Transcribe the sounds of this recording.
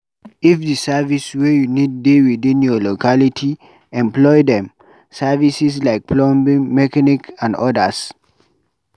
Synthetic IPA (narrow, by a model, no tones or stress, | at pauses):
ifdisaviswɛjunid̚dewidĩnjɔlokʰalitʰi | ɛ̃mplɔjdɛ̃m | savisislaɪk̚pʰlɔ̃mbĩŋmɛkanikãndɔdəs